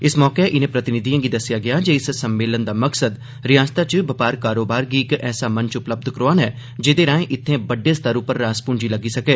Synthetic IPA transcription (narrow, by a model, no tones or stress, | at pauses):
ɪsmɔːkeʔɪnẽːpɾət̪ɪnɪd̪ijãːɡid̪ɐsɪjaːɡɪaːd͡ʒeːɪssəmːeːlənd̪aːməksəd̪ | ɾɪjaːst̪at͡ʃbɐpaːɾkaːɾoːbaːɾɡiɪkɛːsamənt͡ʃʊpləb̚d̪kəɾoaːnɛː | d͡ʒeːd̪eːɾãːẽʔɪt̪ʰːẽːbəɖːeːst̪əɾʊpəɾːaːspʊ̃ɳd͡ʒiləɡiːsɐkeː